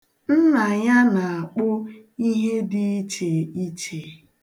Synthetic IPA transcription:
n̩˦na˨ɲa˦na˨a˨k͡pʊ˦ | i˦ɦe˦dɪ˦i˦t͡ʃe˨i˦t͡ʃe˨

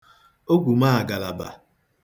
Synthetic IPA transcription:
o˦ɡʷu˨ma˦a˨ɡa˨la˨ba̰˨

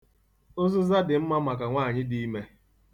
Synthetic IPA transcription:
ʊ˦zʊ˦za˦dɪ˨m̩˦ma˦ma˨ka˨ŋʷaː˦˨ɲɪ˦di˦me˦

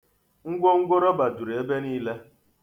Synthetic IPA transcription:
ŋ̩˦ɡʷo˦ŋ̩˦ɡʷo˦ɾɔ˦ba˨du˨ɾe˦be˦niː˦le˦

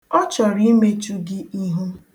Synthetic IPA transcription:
ɔ˦t͡ʃɔ˨ɾi˦me˦t͡ʃu˦ɡɪ˦i˦ɦu˦

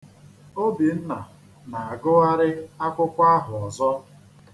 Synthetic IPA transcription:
o˦bi˨n̩˦na˨ | na˨a˨ɡʊ˦a˦ɾɪ˦a˦kʷʊ˦kʷa˦ɦʊ˨ɔ˨zɔ˦

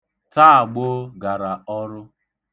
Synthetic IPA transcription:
ta˦a˨ɡ͡bo˦ɡa˨ɾa˨ɔ˦ɾʊ˦

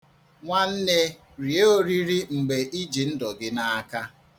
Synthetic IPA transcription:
ŋʷa˦n̩˦ne˦ | ɾi˨e˦o˦ɾi˦ɾi˦ŋ͡m̩˨ɡ͡be˨ʔi˦d͡ʒi˨n̩˦dɔ˨ɡɪ˦na˨a˦ka˦

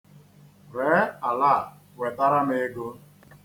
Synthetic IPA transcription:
ɾe˨˦a˨laː˦˨ | we˨ta˦ɾa˦me˦ɡo˦

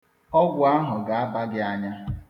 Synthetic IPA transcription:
ɔ˦ɡʷʊ˨a˦ɦʊ˨ɡa˨a˦ba˦ɡɪ˦a˦ɲa˦

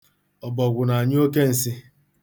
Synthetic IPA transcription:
ɔ˨bɔ˨ɡʷʊ˨na˨a˨ɲ˦o˦ke˦n̩˨si˦

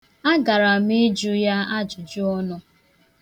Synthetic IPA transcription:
a˦ɡa˨ɾa˨mi˦d͡ʒu˦ja˦a˦d͡ʒʊ˨d͡ʒʊ˦ɔ˦nɔ˦

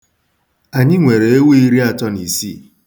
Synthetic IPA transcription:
a˨ɲɪ˦ŋʷe˨ɾe˨e˦we˦i˦ɾi˦a˦tɔ˦ni˨sḭ˦˨

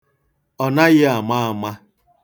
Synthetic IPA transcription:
ɔ˨na˦ɣɪ˦a˨ma˦a˨ma˦

